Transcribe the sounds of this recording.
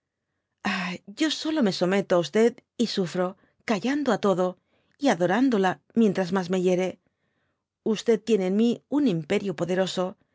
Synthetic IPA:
aɟ͡ʝo̞so̞lo̞me̞so̞me̞t̪oaust̪e̞ðisufɾo̞ | kaʝand̪oat̪o̞ðo̞ | iaðo̞ɾand̪ola | mje̞nt̪ɾazmazme̞ʝe̞ɾe̞ | ust̪e̞ð̚t̪ːjene̞ːnmiunimpe̞ɾjopo̞ðe̞ɾo̞so̞

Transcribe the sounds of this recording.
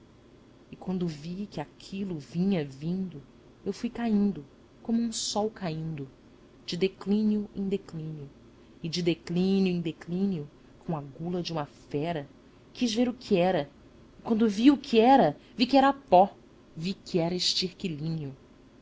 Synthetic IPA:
ɪkwɐ̃nd̪ʊvikɪakʰilʊvĩɲɐvĩnd̪ʊ | ewfujkaĩnd̪ʊ | kõmʊũsɔwkaĩnd̪ʊ | d͡ʒɪd̪eklĩnjʊẽd̪eklĩnjʊ | ɪd͡ʒɪd̪eklĩnjʊẽd̪eklĩnjʊ | kõw̃ɐɡulɐd͡ʒɪũmɐfɛɾɐ | kizveɾʊkʰiɛɾɐ | ɪkwɐ̃nd̪ʊviʊkʰiɛɾɐvikɪɛɾɐapɔ | vikɪɛɾɐɪʃt͡ʃihkilĩɲjʊ

